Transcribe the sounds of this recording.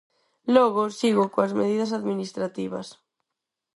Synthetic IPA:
lɔɣosiɣʊkoazmeð̞iðɐsaðminist̪ɾat̪iβɐ̰s

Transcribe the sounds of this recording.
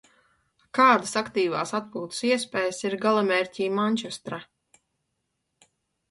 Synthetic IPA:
kaːd̪asakt̪iːvaːsat̪̚puːt̪u̥siɛspɛːjsiɾɡalˠamɛɾʲcʲiːmanʲt͡ʃɛst̪ɾa

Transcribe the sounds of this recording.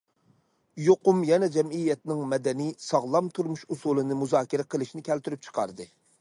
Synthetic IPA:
joqʊmjɛnɛd͡ʒɛmijːɛt̪nɪŋmɛd̪ɛnisɑʁlˠɑmt̪ʰuɾmuʃusulˠɨnɨmuzɑːkʲiɾɛqʰəlˠɨʃinɪkʲʰɛlt̪yɾyp̚t͡ʃʰə̥qʰɑ̰ɾd̪ɨ

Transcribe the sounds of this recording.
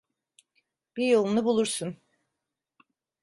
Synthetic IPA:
b̥ijolˠunubulˠuɾsun

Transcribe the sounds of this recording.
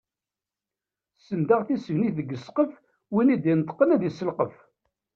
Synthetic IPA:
sənd̪aʁθisəvniθðəɡːəsqəf | winid̪jnt̪ˤə̥qːənæðisəlqəf

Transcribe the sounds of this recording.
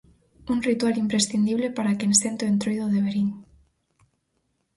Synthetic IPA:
uŋrit̪walimpɾesθind̪iβ̞lepaɾakensent̪oent̪ɾojðoðeβeɾiŋ

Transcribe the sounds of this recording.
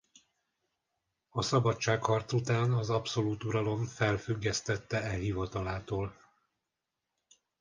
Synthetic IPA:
ɒsɒbɒt͡ʃt͡ʃːaːkhɒrt̪sut̪aːnɒzɒpso̞luːt̪uɾɒlo̞ɱfɛlfyɡːɛst̪ɛt̪ːɛɛɦivɒt̪ɒlaːt̪oːl

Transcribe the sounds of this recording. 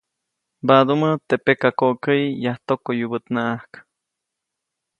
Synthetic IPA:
bad̪umət̪epekakoʔkəjjaht̪okojubət̪naʔahk

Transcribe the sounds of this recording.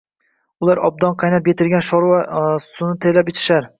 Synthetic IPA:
ʊlˠaɾɒb̚d̪ɒnqʰɑjnapjet̪ʰɪlɡʲanʃɒɾvasʊnɪt̪ʰeɾlapet͡ʃʰɪ̥ʃaɾ

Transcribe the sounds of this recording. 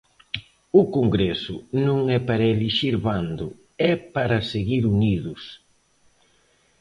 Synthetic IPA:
ʊkoŋɡɾɛsʊnõŋɛpaɾɐeliʃiɾβand̪ʊ | ɛpaɾɐseɣiɾuniðʊs

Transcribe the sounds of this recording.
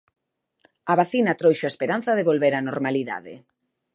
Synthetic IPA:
aβaθinat̪ɾojʃoaespeɾanθɐðeβolβeɾanoɾmaliða̰ðɪ̰

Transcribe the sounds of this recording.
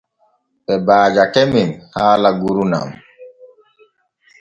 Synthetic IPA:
ɓɛbaːd͡ʒakɛmimhaːlaɡuɾuna̰m

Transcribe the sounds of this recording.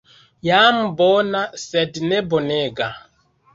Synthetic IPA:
jam̩bɔnasɛdinɛboneɡa

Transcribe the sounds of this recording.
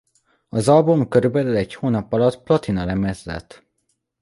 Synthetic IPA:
ɒzɒlbumkøɾybɛlylɛchoːnɒpɒlɒt̪ːplɒt̪inɒlɛmɛzːɛ̰t̪ː

